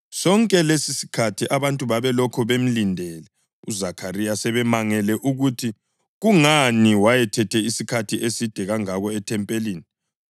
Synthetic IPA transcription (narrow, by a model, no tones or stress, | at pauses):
sɔŋkʼɛlesisi̥kʰatʰiʔaβantʼuβaβɛlɔkʰɔβem̩lindʱɛlɛ | ṵzakʰarijasɛβɛmaŋɛlɛʔuɣutʰi | ɣuŋaniwajɛtʰɛtʰɛisikʰatʰiesid̥ʱɛɣaŋaɣɔɛtʰɛmpʼeliːni